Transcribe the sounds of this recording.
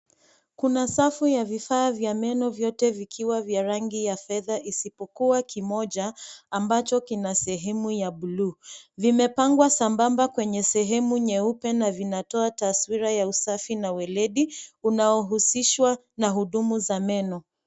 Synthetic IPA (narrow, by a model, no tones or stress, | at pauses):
kunasafujavifaːvjamɛnɔvjɔtɛvikʰiwavjaɾaŋɡijafɛðaʔisipɔkuakimɔʄaːmbat͡ʃɔkinasɛɦɛmujaɓuluːvimɛpaŋɡwasambambakwɛɲɛsɛɦɛmuɲɛupɛnavinatɔataswiɾajausafinawɛlɛɗiunaɔɦusiʃwa | naɦuɗumuzamɛnɔ